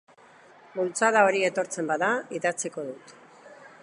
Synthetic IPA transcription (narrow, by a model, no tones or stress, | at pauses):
bult͡saðao̞ɾie̞t̪o̞ɾt͡se̞mbaðaiðat͡siko̞ðut̪